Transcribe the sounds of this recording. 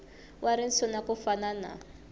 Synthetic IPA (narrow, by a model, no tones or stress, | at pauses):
wʔaɾin̩sʰɔnakufanana̰